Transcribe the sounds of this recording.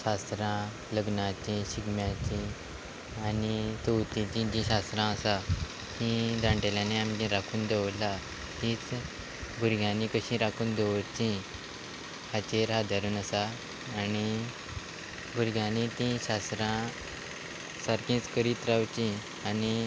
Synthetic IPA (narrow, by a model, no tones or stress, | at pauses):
ɕast̪ɾã | ləɡnat͡ɕĩɕiɡmjat͡ɕĩ | anit̪əwt̪ĩt͡ɕĩd͡ʑĩɕast̪ɾãəsa | hĩd̪ãɳʈeljãneamd͡ʑĩɾakʰuːnd̪eʋla | ɦĩːt͡s | bʱuɾɡʱjãnĩkəɕĩɾakʰuːnd̪eʋəɾt͡ɕĩ | hat͡ɕẽɾɦad̪aɾuːnəsaː | ni | bʱuɾɡjãnĩt̪ĩɕast̪ɾã | saɾkĩːt͡skəɾiːt̪ɾawt͡ɕĩ | ani